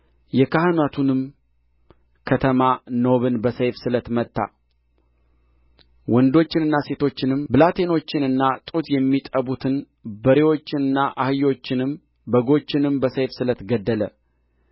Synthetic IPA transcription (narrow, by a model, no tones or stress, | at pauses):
jɛkahɨnat̪ʰunɨm | kʰət̪ʰəmanoβɨnbəsəjfsɨlət̪mət̪ːa̰ | wɔnd̪o̞t͡ʃːɪnɨnːase̞t̪ʰo̞t͡ʃːɪnɨmbɨlat̪ʰe̞no̞t͡ʃːɪnɨnːat̪ʼut̪jɛmːit̪ʼəβut̪ʰɨn | bəɾewo̞t͡ʃːɪnɨnːaʔahɨjo̞t͡ʃːɪnɨm | bəɡo̞t͡ʃːɪnɨmbəsəjfsɨlət̪ɡəd̪ːələ̰